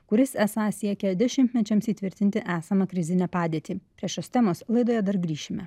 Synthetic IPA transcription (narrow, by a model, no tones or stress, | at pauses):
kʊɾʲɪsæːsɑːsʲiɛkʲɛd̪ʲɛʃʲɪnʲt̪ʲmʲɛt͡ʃʲɛmsiːt̪ʲʋʲɪɾʲt̪ʲɪnʲt̪ʲɪʔæːsɐmɐkɾʲɪzʲɪnʲɛːpɑːd̪ʲiɛt̪ʲiːpʲɾʲiɛʃjoːst̪ʲɛmoːslˠɐɪd̪oːjɛd̪ɐɾɡɾʲiːʃʲɪmʲɛ̰